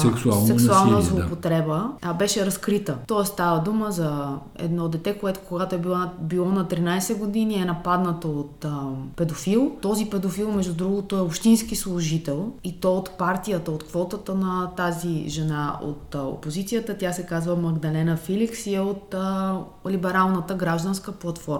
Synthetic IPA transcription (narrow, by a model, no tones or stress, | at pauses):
sɛksua̰lˠsɛksualˠnəzlˠopot̪ɾɛbəbɛʃɛɾɐskɾit̪ət̪ɔɛst̪avəd̪uməzɐ | ɛ̰d̪nɔd̪ɛt̪ɛkoɛt̪o̥koɡat̪oɛbibilˠɔnɐt̪ɾinajsɛɡod̪iniɛnɐpad̪nɐt̪oot̪pɛd̪ofilˠt̪ɔzipɛd̪ofilˠmɛʒd̪ud̪ɾuɡot̪ʊɛopʃt̪insk̟islˠʊʒit̪ɛlˠit̪ɔot̪paɾt̪ijət̪əot̪kvɔt̪ət̪ənɐt̪aziʒɛnao̰t̪o̰pozit̪sijət̪ət̪ʲjasɛkazvəmɐɡd̪ɐlɛnəfiliksiɛot̪ | libɛɾalˠnət̪əɡɾaʒd̪ənskəplˠɐt̪fɔɾm